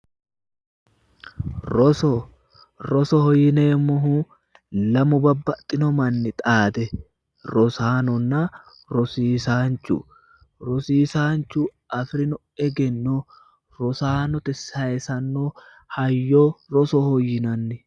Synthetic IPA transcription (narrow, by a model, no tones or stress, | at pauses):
ɾɔsɔ | ɾɔsɔhɔjːɪneːmɔɦu | lɐmʊbɐbːɐt̪ʼːɪnɔmɐnːɪt̪ʼaːd̪ɛ | ɾɔsaːnɔnːɐ | ɾɔsiːsaːnt͡ʃːṵ | ɾɔsiːsaːnt͡ʃːuːʔɐfɾɪnɔ | ɛɡɛnːo | ɾɔsaːnɔt̪ɪsɐjɛsɐnːoː | hɐjːoːɾɔsɔhɔjːɪnɐnːɪ